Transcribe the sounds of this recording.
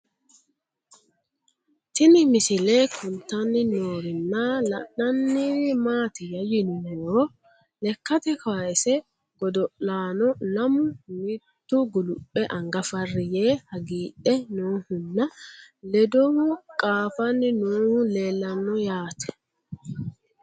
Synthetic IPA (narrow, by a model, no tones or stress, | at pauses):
t̪ɪnɪmɪsɪleːkʰʊnt̪ɐnːɪnoːɾɪnːalɐ̰ɗɐnːɪmaːt̪ɪjɐjɪnuːɾɔ | lɛkːɐt̪ɛksɛ | ɡ̥ɔd̪ɔʔaːnɔlɐmʊmit̪ːʊɡʊlʊpʼːɛʔɐŋɡɐfɐrːɪjeːhɐɡiːʔɛnuːhʊnːɐlɛd̪ɔʊkʼaːfɐnːɪnuːhʊle̞ːlːɐnːɔjaːt̪ʰɛ̥